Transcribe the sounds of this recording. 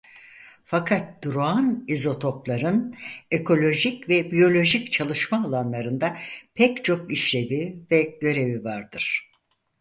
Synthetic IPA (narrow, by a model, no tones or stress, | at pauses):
fakʰat̪̚d̪̥uɾoanizo̞t̪ʰo̞plˠaɾɯnekʰo̞lʲo̞ʒicvɛbijo̞lʲo̞ʒict͡ʃʰalˠɯʃmaːlˠanlˠaɾɯnd̪apʰɛct͡ʃʰo̞k̚iʃlʲe̞bivɛɟ̥ø̞ɾe̞vivaɾd̪ɯɾ̥